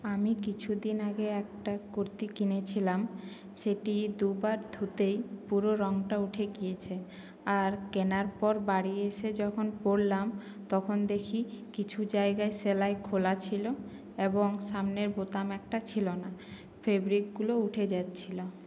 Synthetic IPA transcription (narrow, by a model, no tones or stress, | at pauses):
amikit͡ɕʰud̪inaɡeɛk̚ʈakoɾt̪ikinet͡ɕʰilam | ʃeʈid̪ubaɾd̪ʱut̪ejpuɾoɾɔŋʈauʈʰeɡijet͡ɕʰe | aɾkenaɾpɔɾbaɽieʃed͡ʑɔkʰonpoɽlam | t̪ɔkʰond̪ekʰikit͡ɕʰud͡ʑaeɡaeselaekʰolat͡ɕʰilo | eboŋʃamneɾbot̪amɛk̚ʈat͡ɕʰilona | febɾik̚ɡulouʈʰed͡ʑat̪ːɕʰilo